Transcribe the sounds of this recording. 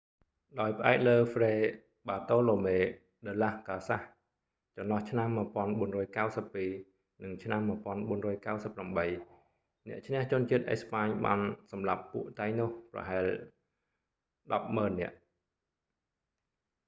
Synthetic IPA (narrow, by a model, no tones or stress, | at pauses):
ɗaɔjpə̆ʔaɛk̚ləːfreː | ɓaːt̪oːloːmeː | ɗəːlahkaːsah | t͡ɕɑmnːlɑht͡ɕʰnamːɨəpŏənɓuənrɔːjkawsəpːiː | nɨŋt͡ɕʰnamːɨəpŏənɓuənrɔːjkawsəpːramɓəj | nɛ̆əʔt͡ɕʰnɛ̆əht͡ɕʊ̆ənt͡ɕiət̪̚ʔḛspaːɲɓa̰ːnsɑmlapːuəʔt̪ajnŏəhprɑ̰ɦaɛl | ɗɑp̚məːnːɛ̆əʔ